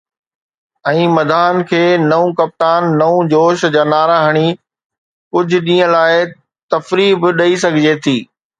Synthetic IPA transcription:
ɛ̃ːmɐd̪ʱaːnkʰeːnɐũkɐp̚t̪aːnːɐũd͡ʑoːʃd͡ʑaːnaːɾaːɦəɽ̃i | kʊd͡ʑʱʊ̆ɗĩːə̃laːɪ | t̪ɐfɾiːbɪɗɐisɐɡʱɪd͡ʑet̪ʰiː

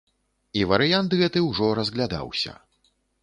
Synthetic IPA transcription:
ivɐɾɨjant̪ɣɛt̪ɨwʐɔɾɐzɣlʲad̪a̰wsʲɐ̰

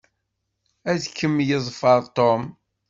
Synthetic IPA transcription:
æðkːəmːjəzˤfəɾˤt̪om

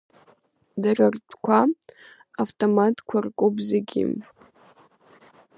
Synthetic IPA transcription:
darartʰʷʼkʷʰa | aftʼomatʼkʷʰarkʷʼobzɨɡʲɪ̰m

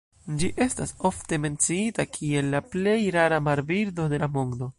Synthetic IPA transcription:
d͡ʒiʔe̞staso̞fte̞me̞nt͡siitakʰie̞lːaple̞jɾaɾamaɾbiɾdo̞de̞lamoŋdo̞

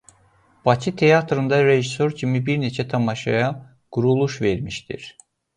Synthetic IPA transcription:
b̥ɑcʰit̪ʰe̞jɑt̪ɾɯnd̪ɑɾe̞ʒiso̞ɾcʰimibiɾne̞t͡ʃʰæt̪ʰɑmɑʃɑ̰jɑ | ɡ̥uɾulˠuʃve̞ɾmiʃd̪ḭɾ̥

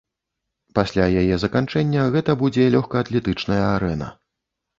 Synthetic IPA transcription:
pasʲlʲajajɛzɐkant͡ʂɛnʲːɐɣɛt̪ɐbud͡zʲɛlʲɔxkɐːt̪lʲɛt̪ɨt͡ʂnɐjɐaɾɛnɐ̰

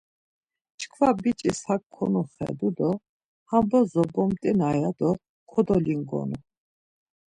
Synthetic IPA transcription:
t͡ʃʰʼkʰvabit͡ʃʼishakʰːɔnuχɛ̰d̪ud̪ɔ | hambɔzɔbɔmt̪ʼinajad̪ɔ | kʰɔd̪ɔliŋɡɔ̰nu

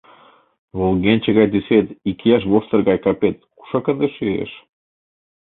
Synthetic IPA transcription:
volˠɡenʲt͡ɕeɣɑjd̪yset̪ikijɑʃ̬βost̪ərɡɑjkɑpet̪̚ku̥ʃɑkə̆nd̪eʃyḛʃ

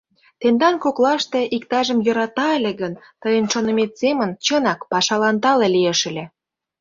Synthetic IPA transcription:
t̪end̪ɑnkoklɑʃt̪eʔikt̪ɑʒəmjɤɾɑt̪ɑelʲĕɣən | t̪əjənʃonə̆met̪semənt͡ɕənɑkpɑʃɑlɑnt̪ɑlelieʃə̆lʲĕ

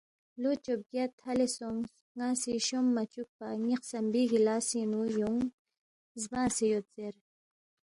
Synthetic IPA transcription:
lot͡ʃob̚ɡat̪halesoŋs | ŋasiʃomːat͡ʃuk̚paŋiqsambiɡilaːsinujuŋ | zbãːsijot̪t͡seɾ

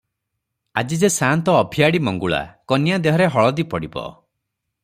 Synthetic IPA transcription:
a̰d͡ʒid͡ʒesant̪ɔːbʱiaɽimɔŋɡuɭa̰kɔnjad̪eɦɔɾeɦɔɭɔd̪ipɔɽibɔ̰

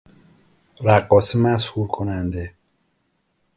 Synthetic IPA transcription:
ɾæɢːɒːsimæshuːɾkʰonænd̪e

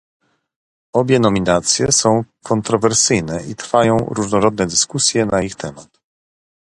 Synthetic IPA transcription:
ɔbʲjɛnɔmʲinat̪sʲjɛsɔ̃w̃kʰɔnt̪ɾɔvɛɾsɘjnɛit̪ɾfajɔ̃w̃ɾuʐnɔɾɔd̪̚nɛd̪ɘskusʲjɛnaixt̪ʰɛmat̪

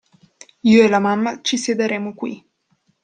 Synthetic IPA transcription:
iːoelamamːat͡ʃised̪aɾɛːmokwḭ

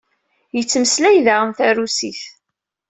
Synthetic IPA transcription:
jət͡sːməslæjðaʁəmθæɾusiθ

